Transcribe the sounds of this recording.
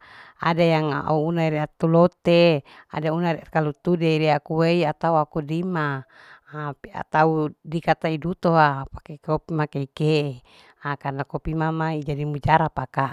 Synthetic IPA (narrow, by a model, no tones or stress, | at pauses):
a̰dajaŋa̰uunaiɾiat̪ːulot̪ea̰daunaɾakalut̪udeiɾiakuweiat̪auakudimaː | pia̰t̪audikat̪aidut̪oapḁkekopimakeikeʔe | akarnakopimamaid͡ʒadimud͡ʒaɾapaka